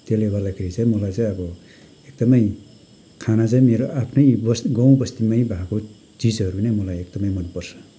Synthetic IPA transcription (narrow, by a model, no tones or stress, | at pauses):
t̪elebad̪akʰeɾit͡saĩmʌlajt͡saj̃ʌbʌ | ek̚d̪ʌmʌj | kʰanat͡saj̃meɾoapʰnʌjbʌsɡʌw̃bʌst̪imʌjbʱako | t͡sid͡zʌɾunejmʌlajekd̪ʌmʌjmʌnpʌrt͡sʰʌ̥